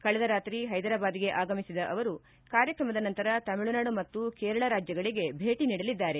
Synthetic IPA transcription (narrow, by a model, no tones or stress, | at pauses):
kɐɭɛd̪ɐɾaːt̪ɾiɦɐjd̪ɐɾaːbaːd̪iɡe̞ʔaːɡɐmisid̪ɐʔɐʋɐɾu | kaːɾjɐkɾɐmɐd̪ɐnɐnt̪ɐɾɐt̪ɐmiɭunaːɽumɐt̪ːukeːɾɐɭɐɾaːd͡ʒjɐɡɐɭiɡe̞bʱeːʈiniːɽɐlid̪ːaːɾe̞